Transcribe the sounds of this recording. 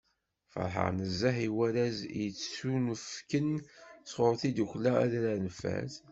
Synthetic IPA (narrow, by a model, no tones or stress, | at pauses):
fə̰ɾˤħə̰ʁnəzːaħiwæɾæzjət͡sːsunəfkənsʁoɾˤθid̪uçlææ̰ðɾænəfæ̰s